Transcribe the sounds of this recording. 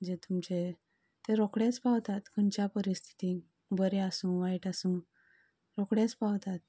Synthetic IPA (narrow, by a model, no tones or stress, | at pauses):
d͡ʑet̪umt͡ɕe | t̪eɾɔkɽet͡spawt̪at̪kʰənt͡ɕjapəɾist̪ʰi̥t̪i | bəɾeasũːʋaiʈasũː | ɾɔkɽẽt͡spawt̪at̪̚